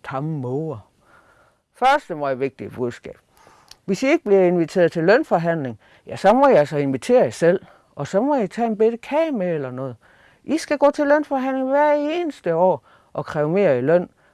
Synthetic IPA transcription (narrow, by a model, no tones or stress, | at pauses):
t͡sʰɑ̈məmɔɐ | fɶɐsd̥əmɒiʋe̝ɡ̥̚d̥iəb̥uðˠsɡ̥ɛ̰ːb̥̚ | ʋe̝sie̝ɡ̥əb̥liɐe̝nʋit͡sʰe̝ːɐðˠt͡sʰe̝lœnfɒɦæn̰le̝ŋ | jæsɒ̽mɒ̽iælsɒ̽e̝nʋit͡sʰe̝̰ːɐisel̰ | ʔɒ̽sɒ̽mɒ̽jit͡sʰɛ̰e̝nb̥ed̥əkʰɛːmeelɐnɔ̽ːð̩ˠ | ʔisɡ̥æɡ̥ɔ̰ːt͡sʰe̝lønfɒɦæn̰le̝ŋʋæɐ̰e̝ːnəsd̥əɒ̰ː | ʔɒ̽kʰʁɛʊme̝̰ːɐilœn̰